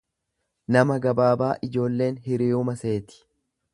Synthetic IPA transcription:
nɐmɐɡɐbaːbaːʔɪd͡ʒo̞ːlːe̞ːnɦɪɾiːʊmɐse̞ːt̪ɪ̥

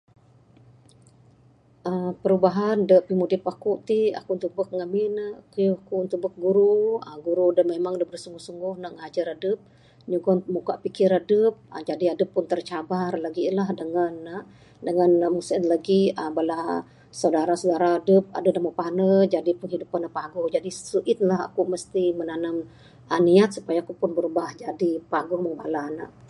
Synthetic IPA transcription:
ʔəmpəɾubaɦandəʔpimudɪpakuʔt̪ia̰kunt̪uk̚bək̚ŋaminəkəjuakunt̪uʔbək̚ɡuɾuəɡuɾudəmemaŋdəbɾəhsuŋɡʊhsuŋɡʊhnaʔŋəad͡ʒəɾadəp̚ | ɲuɡɔnmukaʔpikɪɾadəp̚ə̰d͡ʒadiadəpːʊnt̪ərt͡ʃabarlaɡilahdəŋanaʔ | dəŋanmusɪt̪laɡiəbəlah | sawdaɾasudaɾaːdəp̚a̰dədaməpanəd͡ʒadipʊnhidupanapaɡuhd͡ʒadisuʔɪt̪̚laɦa̰kuməst̪imənanam | aniat̪̚su̥pajakupʊnbəɾubahd͡ʒadipaɡɔhməŋba̰lana̰ʔ

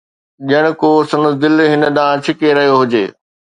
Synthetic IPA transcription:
ʄəɽ̃ʊ̆koːsɐnəd̪ɪlɦɪnə̆ɗ̪ãːt͡ɕʰɪkeɾɐɦijoɦʊd͡ʑeː

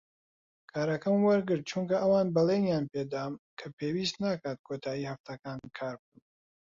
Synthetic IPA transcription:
kʰaːɾɐkɐmwɐɾɡɨɾt̪̚t͡ʃuŋkɐʔɐwaːnbɐlenjaːnpeːd̪aːmkʰɐpʰeːwiːst̪naːkaːt̪̚kʰot̪ʰaːjiːhɐft̪ʰɐkaːnkʰaːɾb̚uːn

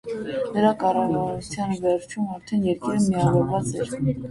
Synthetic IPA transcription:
nəɾɑkɑrɑvɑɾut͡sʰjɑnvɛɾt͡ʃʰumɑɾt̪ʰɛnjɛɾkiɾəmiɑvɔɾvɑt͡sɛɾ

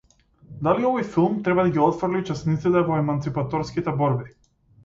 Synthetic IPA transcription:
d̪aliɔvɔjfilˠmt̪ɾɛbad̪aɡʲiɔt̪frlit͡ʃɛsnit̪sit̪ɛvɔɛmant̪sipat̪ɔɾskit̪ɛbɔɾbi

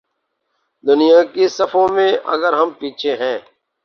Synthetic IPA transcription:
d̪ʊnɪjãːkisəfʰõmẽːə̰ɡəɾɦəmpiːt͡ʃʰeɦɛ̃ː

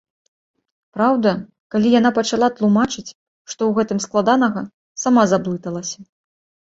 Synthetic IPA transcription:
pɾawd̪ɐ | kalʲijan̪apɐt͡ʂalˠat̪lˠumat͡ʂɨt͡sʲ | ʂt̪ɔwɣɛt̪ɨmsklˠad̪an̪ɐɣɐ | samazablˠɨt̪ɐlˠɐsʲɐ

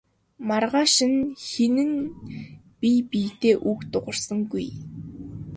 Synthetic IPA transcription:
marʁaːʃɪ̆nxenɘ̆n | pipiːt̪eːʔukt̪ʊʁə̆rsə̆ŋɡuj

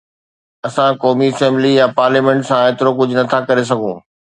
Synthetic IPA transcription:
ɐsãkɔːmiɐsɛ̃ːmblijapaːɾliːmɛ̃ːɳʈsãeːt̪ɪɾok̬ʊd͡ʑʱʊnɐt̪ʰakɐɾes̬ɐɡʱũː

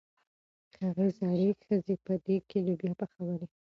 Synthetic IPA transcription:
xaɣazɑɽexəzepəd̪ekelobjɑpaxawaɾe

